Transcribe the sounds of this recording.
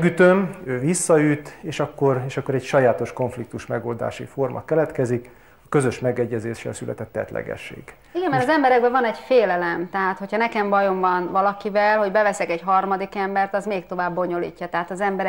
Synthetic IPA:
ɡyt̪ømøːvisːɒyt̪eːʃɒkːo̞reːʃɒkːo̞ɾɛcʃɒjaːt̪o̞ʃko̞ɱflik̚t̪uʃmɛɡoːld̪a̰ːʃḭfo̞rmʔɒ̰kɛlɛt̪kɛzik | ɒkø̞zø̞ʃmɛɡɛɟːɛzeːʃːɛ̰lsylʔɛ̰t̪ɛt̪ːɛ̰t̪lʔɛ̰ɡɛ̰ʃːḛːɡ̥ | iɡɛmːɛɾɒzɛmbɛɾɛɡ̚bɛvɒnɛɟfeːlɛlɛmt̪ɛɦaːt̪ho̞cʰhɒnɛkɛmbɒjo̞mvɒnvɒlɒkivɛlɦo̞ɟbɛvɛsɛkɛɟɦɒrmɒd̪ikɛmbɛrt̪ɒzmeːkt̪o̞vaːbːo̞ɲo̞lḭːcːɒt̪ɛɦaːt̪ɒzɛmbɛɾ

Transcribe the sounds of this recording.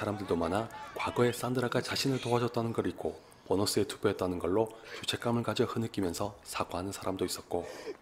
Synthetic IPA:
aɾamdɯɭdomanakwaɡʌe̞s͈andɯɾaɡat͡ɕaɕʰinɯɭtoɦad͡ʑʌt̚t͈anɯnɡʌɾik͈̚o | pʌnʌs͈ɯe̞tu̥pjʌet͈̚anɯnɡʌɭːokjut͡ɕʰe̞k͈amɯɭkad͡ʑʌhɯnɯk͈imjʌnsʰʌsʰaɡɦanɯnsʰaɾamdois͈ʌt̚k͈o

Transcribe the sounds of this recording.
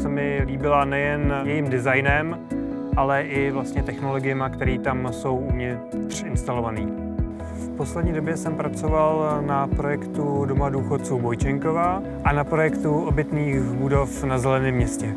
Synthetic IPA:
sɛmɪliːbɪlanɛjɛnjɛjiːmdɪzajnɛm | ʔalɛʔɪvlast̪ɲɛt̪ɛxno̞lo̞ɡɪjɛmakt̪ɛɾiːt̪amso̞wumɲɛ | t̪r̥ɪnst̪alo̞vaniː | fpo̞slɛdɲiːdo̞bjɛsɛmpɾat͡so̞valnapɾo̞jɛkt̪udo̞maduːxot̪t͡suːbojt͡ʃɛŋkova | ʔanapɾo̞jɛkt̪uʔobɪt̪niːxbudo̞fnazɛlɛnɪːmːɲɛscɛ

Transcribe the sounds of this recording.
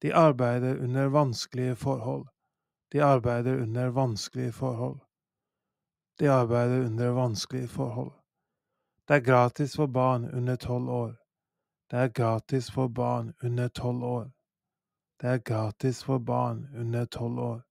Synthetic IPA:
d̪̥iːʔɑɾbæɪd̪əɾʉ̰nəɾʋɑnsklɪəfɔɾhɔl | d̪̥iːɑɾbæɪd̪əɾʉnəɾʋɑnsklɪəfɔɾhɔl | d̪̥iːɑɾbæɪd̪əɾʉnd̪əɾʋɑnsklɪəfɔɾhɔ̰l | d̪̥eːæːɡɾɑːt̪ɪsfɔbɑːɳʉ̰nət̪ʰɔloːɾ | d̪̥eːæːɾɡɾɑːt̪ɪsfɔɾbɑ̰ːɳʉnːəʈʰɔloːɾ | d̪̥eːæːɾɡɾɑːt̪ɪsfɔɾbɑ̰ːɳʉnːəʈʰɔloːɾ

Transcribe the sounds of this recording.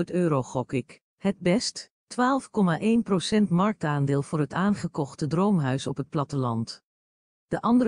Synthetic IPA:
tøːɾoχɔkɪk | həd̚bɛst | tʋaːlˠfkɔmaːʔejnprosɛntmɑɹk̚taːndɪːlˠv̥ʊːɹɦətaːnχəkɔχtədrowmɦœɥsɔpɦət̚plɑtəlɑnt | d̥əʔɑndə

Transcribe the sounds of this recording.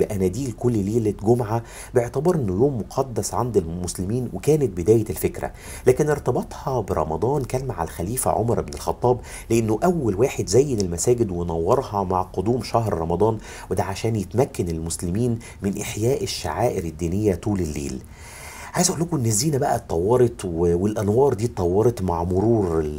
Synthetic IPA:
beʔænæd̪iːlkolːleːlet̪ɡomʕa | beʕt̪æbɑɾˤʔenːojoːmːoqʰɑd̪ːæsʕand̪elmʊslɪmiːnwekæːnet̪̚bed̪æːjelfekɾæ̰ | læːkeneɾt̪ɑbɑt̪ˤhɑbeɾˤɑ̰mɑd̪ˤɑːnkæːnmaʕa̰lxæliːfæ̰ʕo̰mɑɾˤʔebnelxɑt̪ˤːɑːb | leʔenːoʔæwːælwaːħed̪zæjːenelmæsæːɡɪd̪wenɑwːɑɾˤhɑmaʕqod̪uːmʃæɦɾɾˤɑmɑd̪ˤɑːn | wed̪æʕaʃæːnjet̪mækːænelmʊslɪmiːn | mɪnʔeħjæːʔeʃːa̰ʕaːʔɪɾɪd̪ːiːnejːæt̪ˤuːlelːḛːl | ʕajezʔulːækoenːezːiːnæbæʔæt̪t̪ːˤɑwːɑɾˤɑt̪ˤwwelʔænwɑːɾˤd̪iːt̪t̪ˤːɑwːɑɾˤɑt̪maʕmʊɾuːɾ

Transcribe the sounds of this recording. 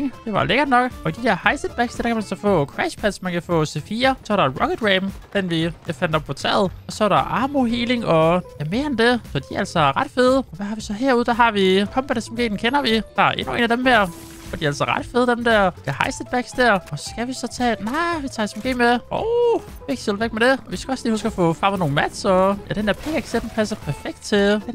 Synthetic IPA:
ŋd̥e̝ʋɑ̈leɡ̥ɐnɒ̽ɡ̥ɒ̽id̥id̥eɐ̰hɑ̈ɪsed̥̚b̥æɡ̥sd̥æɐ̥ɑkʰæmænsɒ̽fɔ̰̽ːkʰʁæʃpʰæd̥smænkʰæfɔ̰ːsefiːɐsɒ̽æɾɑʁɒ̽kʰed̥ʁeːmd̥enʋi̥æfænd̥ɒ̽b̚pʰɒt͡sʰɛ̰ɐð̞̩ˠɒ̽sɒæɾɑʔɑ̈ːmo̝ɦiːle̝ŋɒ̽jæme̝ːɐend̥e̝sɒd̥iæl̰sɒʁɑ̈d̥fe̝ːð̞ˠəɒ̽ʋæɦɑ̈ʋisɒ̽ɦeɐ̰uðˠd̥æɦɑ̈ʋikʰɒ̽mb̥ædsmɡ̥e̝̰̥ːn̩kʰenɐʋid̥ɑ̈æɐʔe̝nue̝̰ːnæd̥emheɐ̰ | fɒd̥iæl̰sɒʁɑ̈d̥feːð̞̩ˠd̥emd̥æɐ̰j̥æhɑɪsed̥̚b̥æɡ̥sd̥æɐ̰ɒ̽sɡ̥æʋisɒ̽t͡sʰɛ̰ːnɑ̈ɪʋit͡sʰɑ̈ːesm̩eɡ̥e̝̰ːmeɒʊ | feɡ̥selˠʋeɡ̥̚med̥e̝ɒʋisɡ̥æɒ̽sliːusɡ̥æfɔ̰̽fʁɑ̈mð̩ˠno̝ːn̩mæd̥sɒjæd̥enæɐpʰḛːeɡ̥sed̥n̩pʰæsɐpʰæɐfeɡ̥̚d̥t͡sʰe̝̥en

